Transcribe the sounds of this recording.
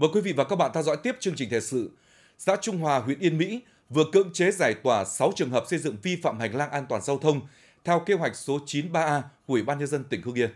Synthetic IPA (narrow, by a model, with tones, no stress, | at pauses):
məː˨˩jkwi˨˦vḭ˧˨vaː˨˩kaː˦˥ɓa̰ː˧˨nt̪ʰɛ˧wzɔ̰˧˥jt̪i˦˥əp̚t͡ɕɨ˧ŋt͡ɕï˨˩ŋ̟t̪ʰḛ˨˩sɨ̰˧˨ | sa̰ː˧˥t͡ɕʊ˧ŋ͡mɦwaː˨˩ɦwḭ˧˨ənʔi˧ənmḭ˧˥ | vɨ˨˩əkɨ̰˧˥əŋt͡ɕe˨˦zaː˧˩jt̪waː˧˩sa˨˦wt͡ɕɨ˨əŋɦəː˨˩p̚sə˧jzɨ̰˧˨ŋvi˧fa̰ː˧˨mha˨˩jŋ̟laː˧ŋʔaː˧nt̪waː˨˩nza˧wt̪ʰə˧wŋ͡m | t̪ʰɛ˧wke˧ɦwa˨˩jk̚so˨˦t͡ɕi˨˦nɓaː˧ʔaː˧ku˧˩i˨˩ɓaː˧nɲə˧nzə˧nt̪ï˨˩ŋ̟hɨ˧əŋʔi˧ə